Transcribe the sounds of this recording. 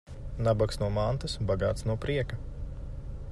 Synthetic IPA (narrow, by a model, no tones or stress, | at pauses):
nabaksnuɔmant̪ɐsbaɡa̰ːt̪snuɔpɾiɛka